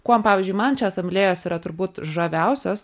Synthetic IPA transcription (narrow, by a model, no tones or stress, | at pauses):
kuɔmpɑːʋʲɪːzʲd͡ʒʲʊɪmɐnt͡ʃʲɛsɐmʲlʲeːjoːsiːɾɐt̪ʊɾbuːt̪ʒɐʋʲɛʊsʲoːs